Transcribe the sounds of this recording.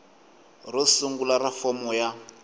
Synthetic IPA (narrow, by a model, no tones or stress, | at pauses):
rɔsuŋɡulaɾafɔmɔja